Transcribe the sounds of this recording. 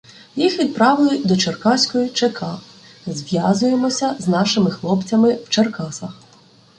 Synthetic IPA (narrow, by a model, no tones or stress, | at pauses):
jixʋʲid̪̚pɾɑʋɪlˠʊd̪ɔt͡ʃerkɑsʲkɔjit͡ʃekʰɑ | zʲʋʲjɑzʊjemɔsʲɐznɑʃɪmɪxlˠɔpt͡sʲɐmɪwt͡ʃerkɑsɐx